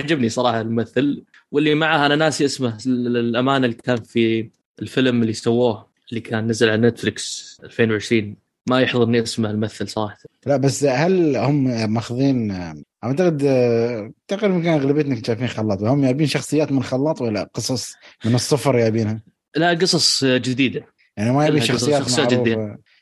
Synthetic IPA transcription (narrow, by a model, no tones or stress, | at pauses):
aʕd͡ʒɪbnisˤɑɾˤɑːħɑlmmaθːal | wɪlːimaʕaʔananaːsiʔasmahlʔamaːnɪlːikaːnfi | ɪlfɪlmɪlːisawːoːh | ʔɪlːikʰaːnːazalʕalanet̪flɪksʔalfeːnwʕɪʃɾiːn | majɪħðˤɨɾniʔasmahɪlmaθːalsˤɑɾˤɑːħlaʔbasːhalhʊmmaxðˤiːnʕaʕt̪aɣɪd̪ | t̪aqiːɾmakanɣlabit̪naknt̪ʃaːjfiːnxɑlːɑːt̪ˤwhʊmːjaʕbiːnʃɑxsˤɨjːaːt̪mɪnxɑlːɑːt̪ˤwalːa̰qɨsˤɑsˤmɪnɨsˤːʊfɾˤjaʕbiːnha | laʔqɨsˤɑsˤd͡ʒɪd̪iːd̪a | jaʕnimajaʕbinʃɑxsɨjːaːmajaʕɾuː